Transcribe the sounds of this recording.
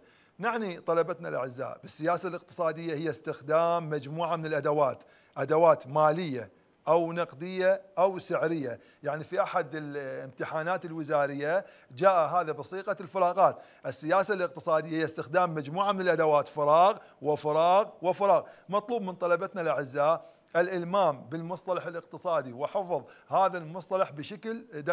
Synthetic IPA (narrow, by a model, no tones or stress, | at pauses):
naʕnit̪ˤɑlɑbat̪nalʔa̰ʕɪzːa̰ːʔbɪsːɪjaːsalɪq̚t̪ɨ̥sˤɑːd̪ɪjːahɪjːast̪ɪxd̪aːmːad͡ʒmuːʕamɪnɪlʔad̪awaːt̪ | ʔad̪awaːt̪maːlɪjːa | ʔawnɑqd̪ɪjːaʔawsɪʕɾɪjːa | jaʕnifiʔaħad̪ɪlɪmt̪ɪħaːnaːt̪ɪlwɪzaːɾɪjːa | d͡ʒaːʔɦaːðabɨsˤiːqalfɪɾˤɑːqɑːt̪ | ʔɪsːɪjaːsalɪq̚t̪ɨsˤɑːd̪ɪjːaɪjːast̪ɪxd̪aːmːad͡ʒmuːʕamɪnɪlʔad̪awaːt̪fɪɾˤɑːɣ | wɪfɪɾˤɑːɣwɪfɪɾˤɑːɣmɑt̪ˤluːbmɪnt̪ˤɑlɑbat̪nalʔaʕɪzːaːʔ | ʔɪlʔɪlmaːmbɪlmʊsˤt̪ˤɑlɑħɪlɪqt̪ɨsˤɑːd̪iwɪħɪfðˤhaːðalmʊsˤt̪ˤɑlɑħbɪʃakld̪a